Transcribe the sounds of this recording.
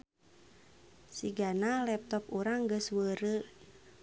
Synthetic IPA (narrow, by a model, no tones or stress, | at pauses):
siɡanalɛp̚t̪ɔpuɾaŋɡəswəɾə